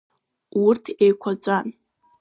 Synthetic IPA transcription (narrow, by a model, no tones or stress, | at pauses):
wʊrtʰejkʷʰat͡ʃʷʼan